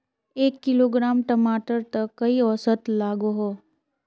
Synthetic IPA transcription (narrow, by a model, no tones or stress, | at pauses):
eːkːɪloːɡɾaːmʈəmaːʈəɾt̪əkːɐiɔsət̪laːɡoɦoː